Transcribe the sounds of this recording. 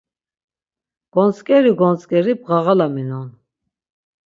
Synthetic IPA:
ɡ̥ɔnt͡sʼkʼɛɾiɡɔnt͡sʼkʼɛɾib̚ʁaʁalaminɔn

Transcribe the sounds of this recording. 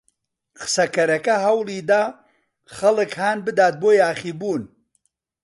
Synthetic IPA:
qʰɨ̥sɐkɐɾɐkɐɦɐwlˠiːd̪aː | χɐlˠɨkhaːnbɨd̪aːt̪̚boːjaːχiːbuːn

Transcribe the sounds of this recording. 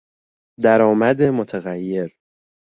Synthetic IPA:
d̪æɾɒːmæd̪e̞mot̪ʰæɣæjːe̞ɾ

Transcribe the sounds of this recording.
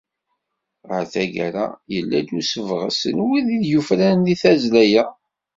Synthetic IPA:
ʁəɾθæɡæɾa̰jəlːæ̰d̪usəvʁə̰sənwiðiðjufɾænliθæzlæjæ

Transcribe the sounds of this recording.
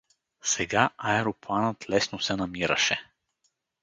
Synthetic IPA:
sɛɡaʔaɛɾopˠanət̪lɛsnosɛnɐmiɾɐ̰ʃɛ

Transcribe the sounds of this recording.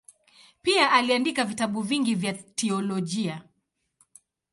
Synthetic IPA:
piaʔaliandikavitaɓuviŋɡivjatʰɛɔlɔʄia

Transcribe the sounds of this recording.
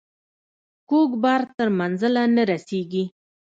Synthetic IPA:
koɡbɑɾt̪əɾmanzəlanaɾaseɡi

